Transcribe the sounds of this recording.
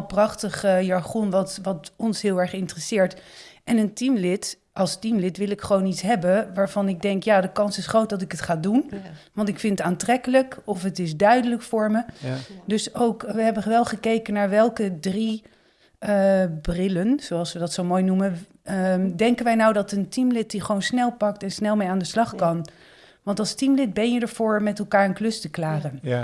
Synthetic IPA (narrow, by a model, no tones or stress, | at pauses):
prɑχtəχəjɑɹχɔnʋɑtʋɑtɔnsɦɪːlˠɛɹχɪntrəsɪːɹtʔɛnəntimlɪt | ɑlˠstimlɪtʋɪlˠɪkχəʋownitsɦɛbənʋaːɹvɑnɪɡ̚dɛŋkjaːdəkɑnsɪsχrowt̚dɑtɪkətχaːdunʋɑntɪkfɪntətaːntrɛkələkɔfətɪzdœɥdələkfʊːɹmədɵsowkʋəɦɛbənʋɛlˠχəkejkənaːɹʋɛlˠkədri | əbrɪlənzoɑlˠsʋədɑtsowmoːjnumən | dɛŋkənʋɛjnawdɑtəntimlɪt̚diχəʋownsnɛlˠpɑktɛnsnɛlˠmejaːndəslɑχkɑn | ʋɑntɑlˠstimlɪt̚bɛnjədəɹv̥ʊːɹmɛtɛlˠkaːɹənklɵstəklaːχən